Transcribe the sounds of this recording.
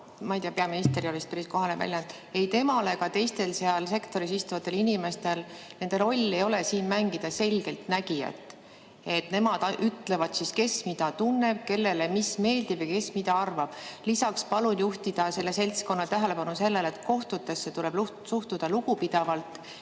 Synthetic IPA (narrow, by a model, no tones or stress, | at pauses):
mɑijt̪iɑpeɑminist̪e̞ɾiolist̪pæɾisko̞ɦɑnevæ̰lʲjɑnt̪ˑ | e̞jt̪e̞mɑle̞kɑt̪e̞jst̪e̞lse̞ɑlse̞kt̪o̞ɾis̬ist̪uvɑt̪ːˑe̞linime̞st̪e̞lne̞nd̪e̞ɾo̞lʲːe̞jo̞le̞siːnmæŋɡ̥id̪̥ɑse̞lʲɡ̥e̞lt̪næɡijɑ̰t̪ːˑ | e̞t̪ne̞mɑd̪̥ɑʔyt̪ːˑle̞vɑd̪̥siske̞smid̪ɑt̪unːe̞b̥̚ke̞lːe̞lemisme̞ːld̪̥ib̥ejke̞smid̪ɑɑrvɑb̥lisɑkspɑlunjuht̪id̪̥ɑse̞lːe̞se̞lʲt̪sko̞nːɑt̪æɦæle̞pɑnuse̞lːe̞let̪ko̞ht̪ut̪ːˑe̞sːe̞t̪uleb̥lu | suht̪ud̪̥ɑlukupid̪̥ɑvɑlt̪ˑ